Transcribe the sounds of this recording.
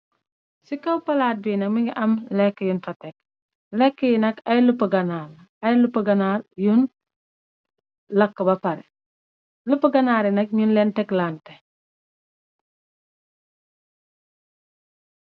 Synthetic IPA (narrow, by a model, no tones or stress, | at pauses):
sikɐwpɐlaːt̚biːnɐk̚miŋiʔɐmlɛkːəjunfɐtɛk | lɛkːəjinɐkɐjlupːɐɡɐnaːl | ɐjlupːɐɡɐnaːljun | lɐkːəbɐpɐɾɛ | lupːɐɡɐnaːɾinɐk̚ɲunlɛntɛklaːntɛ